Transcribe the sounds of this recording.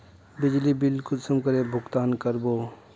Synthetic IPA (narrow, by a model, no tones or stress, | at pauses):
bɪd͡ʒlibɪlkʊd̪səmkəɾebʱʊɡt̪aːnkəɾboː